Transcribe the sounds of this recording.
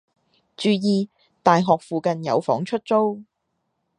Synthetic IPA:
t͡ʃyː˨˧jiː˧ | t̪aː˨jɦɔː˨k̚fuː˨kɐ˨njɐ̰˨˧wfɔ̰ː˨˥ŋt͡ʃʰɵ˥t̚t͡so˥w

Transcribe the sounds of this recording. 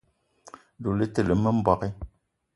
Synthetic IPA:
do˨lə˦tə˨lə˨mə˦m̩˦bɔ˦˨ke˦

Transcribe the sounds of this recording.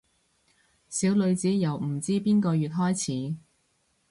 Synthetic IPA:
siː˨˥wlɵ˨˧ɥt͡siː˨˥jɐ˨˩wm̩˨˩t͡siː˥piː˥nkɔː˧jɥyː˨t̚ɦɔː˥jt͡sʰiː˨˥

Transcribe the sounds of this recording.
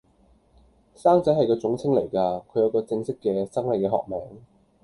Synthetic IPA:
saː˥ŋt͡sɐ˨˥jhɐ˨jkɔː˧t͡sʊ˨˥ŋt͡sʰɪ˥ŋle˨˩jkaː˧kʰɵ˨˧ɥjɐ˨˥wkɔː˧t͡sɪ˧ŋsɪ˥kːɛː˧sɐ˥ŋlɐ˨jkɛː˧hɔ̰ː˨k̚mɛː˨˥ŋ

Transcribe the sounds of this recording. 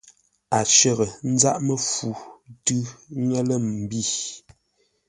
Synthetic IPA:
a˨t͡ʃə˨ɣə˨n̩˦za˦ʔmə˨fu˨tʉ˦ŋɛ˦lə˦˨m̩˨bi˦˨

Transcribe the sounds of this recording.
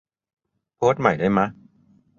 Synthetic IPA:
pʰoː˦˥t̪̚ma˨˩jdaː˥˩jma˦˥

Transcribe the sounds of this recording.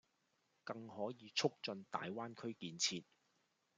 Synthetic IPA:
kɐ˧ŋhɔː˨˥jiː˨˧t͡sʰʊ˥k̚t͡ʃɵ˧nt̪a̰ː˨jwaː˥nkʰɵ˥ɥkiː˨nt͡sʰiː˧t̚

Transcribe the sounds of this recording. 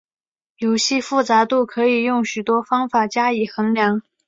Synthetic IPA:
jo˧˥ʊɕi˥˧fu˥˩t͡sa˧˥t̪u˥˩kʰɤ˧˥i˨˩jʊ˥˩ŋɕy˨˩t̪wɔ˥fɑ˥ŋfa˨˩t͡ɕja˥i˨˩xə˧˥nljɑ˧˥ŋ

